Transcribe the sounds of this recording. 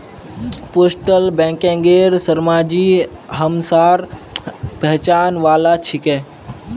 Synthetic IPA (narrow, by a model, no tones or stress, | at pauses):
poːsʈəlbɛ̃ːŋkɛ̃ːŋɡeːɾsəɾmaːd͡ʒi | ɦəmsaːɾ | pɛɦt͡ʃaːnʋaːlat͡ʃʰikɛ̃ː